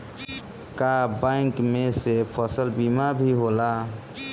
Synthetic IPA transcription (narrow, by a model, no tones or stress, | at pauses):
kabaːŋkmẽsepʰɔsəlbiːmabʱiɦoːlaː